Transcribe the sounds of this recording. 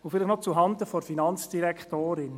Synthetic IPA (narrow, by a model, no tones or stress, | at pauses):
ufɪlɪχnɔt͡suɦɑnd̪əfɔɾfinɑnt͡sd̥iɾɛktoːɾɪn